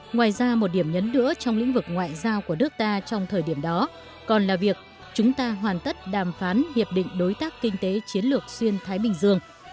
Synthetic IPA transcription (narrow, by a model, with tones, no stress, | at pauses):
ŋwaː˨˩jzaː˧mo˨˩t̚ɗi˧˩əmɲə˨˦nːɨ̰˧˥ət͡ɕɔ˧wŋ͡mlḭ̈˧˥ŋ̟vɨ˨˩k̚ŋwa̰ː˧˨jzaː˧wku˧˩ənɨ˦˥ək̚t̪aː˧t͡ɕɔ˧wŋ͡mt̪ʰəː˨˩jɗi˧˩əmɗɔ˨˦ | kɔ˨˩nlaː˨˩vi˨˩ək̚ | t͡ɕʊ˨˦ŋ͡mt̪aː˧ɦwaː˨˩nt̪ə˦˥t̚ɗaː˨˩mfaː˨˦nhi˨˩əp̚ɗḭ˧˨ŋ̟ɗo˨˦jt̪aː˦˥kːï˧ŋ̟t̪e˨˦t͡ɕi˨˦ənlɨ˨˩ək̚swi˧ənt̪ʰaː˨˦jɓï˨˩ŋ̟zɨ˧əŋ